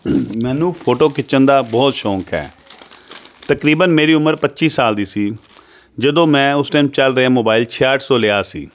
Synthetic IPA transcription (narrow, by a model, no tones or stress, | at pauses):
mɛ̃ːnũːpʰoːʈoːkɪt͡ʃənd̪aːbɔːt̪ʃɔːkʰɦɛ̰ː | t̪əkɾiːbənmeːɾiːʊməɾpət̪ːt͡ʃiːsaːld̪iːsiː | d͡ʒəd̪õːmɛ̃ːʊsʈɛːmt͡ʃəlɾəãːmoːbaːɪlt͡ʃʰɪaːʈʰsɔːlɪaːsḭː